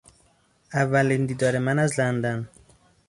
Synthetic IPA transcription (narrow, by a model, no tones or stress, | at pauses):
ævːælind̪iːd̪ɒːɾemænæzlænd̪æn